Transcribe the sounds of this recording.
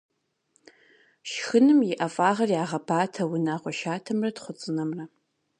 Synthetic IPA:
ʃxɨnɨmjɪʔɐfʼaːʁɐrjaːʁɐpʰaːtʰɐwʊnaːʁʷɔʃaːtʰɐmrɐtχʷʊt͡sʼɨnɐmrɐ

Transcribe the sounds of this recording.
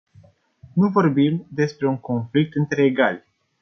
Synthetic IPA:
nuvo̞rbimd̪e̞spɾe̞uŋko̞nflik̚t̪ɨnt̪ɾe̞ːɡalʲ

